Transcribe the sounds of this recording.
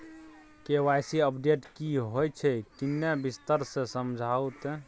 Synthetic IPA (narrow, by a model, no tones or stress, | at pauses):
kewajsiəpɖeʈkiɦojt͡ʃʰɛkinːebist̪əɾsẽsəmd͡ʒʱawt̪ɛ